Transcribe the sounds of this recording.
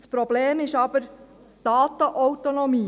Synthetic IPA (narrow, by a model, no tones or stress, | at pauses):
spɾobleːmɪʃɑb̥əɾ | d̥ɑːt̪əʔɔwt̪onɔmiː